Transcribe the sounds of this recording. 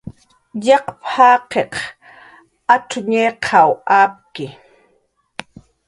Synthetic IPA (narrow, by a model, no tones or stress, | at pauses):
ʎɑqphaːqeq | aʈ͡ʂʊɲeqʰawaːp̚kɪ